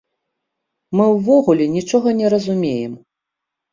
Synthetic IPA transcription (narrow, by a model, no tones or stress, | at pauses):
mɨwvɔɣulʲɛnʲit͡ʂɔɣɐnʲɛɾɐzumʲejɛm